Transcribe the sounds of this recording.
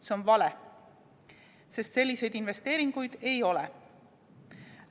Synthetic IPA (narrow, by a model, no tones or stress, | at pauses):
seo̞nvɑle | se̞st̪se̞lʲːise̞jd̪inve̞st̪e̞ːɾiŋɡ̥ujd̪̥e̞jo̞le